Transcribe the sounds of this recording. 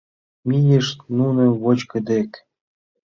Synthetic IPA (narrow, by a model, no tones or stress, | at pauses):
mijeʃt̪nunɤ̆βot͡ɕkə̆d̪ek